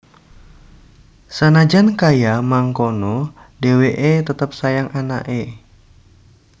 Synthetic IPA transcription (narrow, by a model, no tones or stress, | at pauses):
sanad͡ʒankajamaŋkonɔ | deweʔet̪ət̪əp̚sajaŋʔana̰ʔe